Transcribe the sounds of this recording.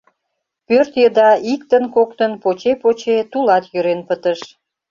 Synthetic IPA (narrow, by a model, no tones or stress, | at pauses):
pørt̪jəd̪ɑik̚t̪ənkokt̪ənpot͡ɕepot͡ɕet̪ulɑt̪jøɾenpət̪əʃ